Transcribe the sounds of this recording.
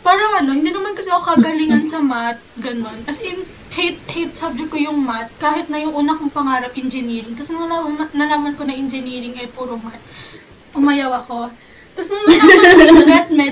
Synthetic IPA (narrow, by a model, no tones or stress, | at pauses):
paːɾɐŋʔɐno̞hɪnd̪iːnɐmankɐsɛʔɐokɐɡɐliŋɐnsɐmat̪̚ɡɐno̞nkɐsɛjʊ | hejt̪̚hejt̪̚sɐb̚d͡ʒɛk̚kːojʊŋmat̪̚kaːhɪt̪̚nɐjʊŋʔuːnɐkoŋpɐŋaːɾɐpʔɛnd͡ʒɛniːɾɪŋt̪ɐsnɐnɐlamɐnɐlaːmɐnko̞nɐʔɛnd͡ʒɛniːɾɪŋʔɐjpuːɾomat̪̚ | pʊmɐjɐwɐko̞ | t̪ɐsnɐŋnlamɐlɛt̪̚mɛ